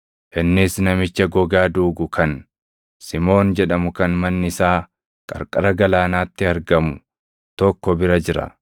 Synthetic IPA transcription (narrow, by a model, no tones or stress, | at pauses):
ʔɪnːɪsnɐmɪt͡ʃːɐɡɔɡaːd̪uːɡʊkʰɐn | sɪmo̞ːnd͡ʒɛᶑɐmʊkɐnmɐnːɪɪsaː | kʼɐ̰ɾkʼɐɾɐɡɐlaːnaːt̪ːɪɐɾɡɐmʊ | t̪ɔkːɔbɪɾɐd͡ʒɪɾɐ̰